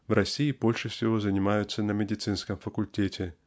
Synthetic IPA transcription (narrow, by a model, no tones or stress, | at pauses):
vrʔɐsʲijibolʲʂɨfsʲɪvozənʲɪmajʊt̪sːənɐmʲɪdʲɪt̪sɨnskəmfəkʊlʲtʲetʲɪ